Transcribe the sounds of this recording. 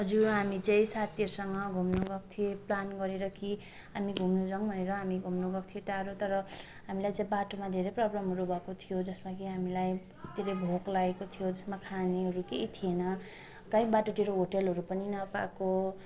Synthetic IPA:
ɦʌd͡zuɦamit͡saĩsat̪ʰiʌɾusʌŋʌɡʱumnuɡʌk̚t̪ʰieplanɡʌɾeɾʌki | ɦamiɡʱumnud͡zʌŋbʱʌneɾʌɦamiɡʱumnuɡʌk̚t̪ʰijet̪aɾot̪ʌɾʌ | ɦamilajt͡saĩbaʈomad̪ʱeɾejprʌblʌmɦʌɾubʱʌekot̪ʰijod͡zʌsmakiɦamilaj | d̪ʱeɾejbʱoklaekot̪ʰijod͡zʌsmakʰaneɦʌɾukejt̪ʰienʌ | kaĩbaʈoʈeɾoɦoʈelɦʌɾupʌninʌpa̰ko

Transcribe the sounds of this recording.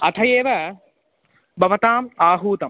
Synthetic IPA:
ɐt̪ʰɐjeːʋɐ | bɐʋɐt̪aːmaːɦuːt̪ɐm

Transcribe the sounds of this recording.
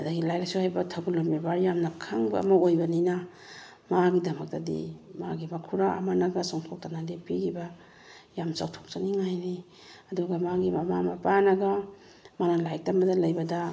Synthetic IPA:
ɐdaɡilajlsuhajbɐtʰaɡulombibaɾjamnɐkʰaŋbɐ̰ːmɐojbɐninɐ | maɡidɐmɐk̚tɐdḭma̰ɡimakʰuɾaʔɐ̰manɐɡasaŋtʰok̚tanadipiɡiba | jamsawtʰo̥k̚t͡ʃaniŋajni | ɐduɡɐmaɡimɐmamɐpanɐɡa | manɐlajk̚tamɐdɐlɐjbɐdɐ

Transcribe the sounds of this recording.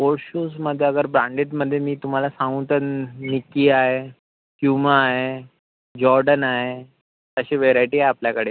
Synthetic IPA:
ʋoɾɕuːsməd̪ʱːjeəɡəɾbɾãɳɖeʈməd̪ʱːjemiːt̪um̤alasãŋɡũt̪ənikːiːaɦe | kjumaːɦe | d͡ʑɔɾɖənaɦe | t̪əɕeʋeɾajʈiːɦajapljakəɽe

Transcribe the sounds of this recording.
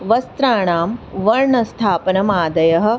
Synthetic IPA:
ʋɐst̪ɾaːɳaːmʋɐɾɳɐst̪ʰaːpɐnɐmaːd̪ɐjɐɦɐ̆

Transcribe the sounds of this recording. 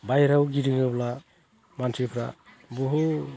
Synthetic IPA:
bajɾawɡiɾiŋabla | mansʰipʰɾa̰ | bɔɦu

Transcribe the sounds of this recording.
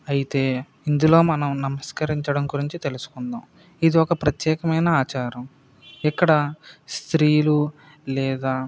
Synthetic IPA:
ɐjit̪e̞ː | ind̪ulo̞ːmɐnɐmnɐmɐskɐɾiɲt͡ʃɐɽɐmɡuɾiɲt͡ʃit̪e̞lusu̥kund̪aːm | id̪iɔkɐpɾɐt̪jɛːkɐmɐjnɐaːt͡ʃaːɾɐm | ikːɐɽɐst̪ɾiːlu | lɛːd̪aː

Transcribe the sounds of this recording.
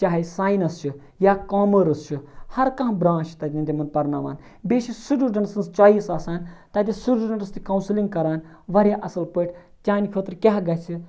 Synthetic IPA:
t͡ʃaːɦisaːjnɐst͡ʃʰu | jaːkaːməɾɨst͡ʃʰuhɐɾkɐ̃ɦbɾãːʃt̪ɐt̪ʲind̪ʲimɐnpɐɾnaːʋa̰ːn | beːʃisuɖuɖɐnsɐnst͡ʃaːiːsaːsaːnʲt̪ɐt̪ʲisuɖuɖɐɳɨst̪ikɐwnsiliŋɡ̚kɐɾaːn | ʋɐɾʲjaːʔɐsɐlpəʈʰ | t͡ʃʲaːnkʰət̪ɾkʲaɦɡɐt͡ʃʰi

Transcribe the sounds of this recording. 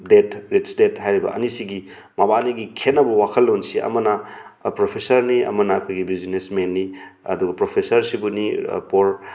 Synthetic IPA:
detɾetsdethajɾibɐ̰ɐ̰nisiɡi | mabaniɡikʰenːɐbɐwakʰɐlːonsiʔɐ̰mɐnɐpɾopʰesɐɾniɐ̰mɐnɐkʰojɡibizinesmenːiɐ̰duɡɐpɾopʰesɐɾsibunḭpoɾ

